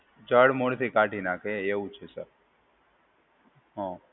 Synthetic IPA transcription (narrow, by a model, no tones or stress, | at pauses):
d͡ʒəɽmoɽt̪ʰikaːʈinakeeũt͡ʃʰesəɾ | ɦɔ̃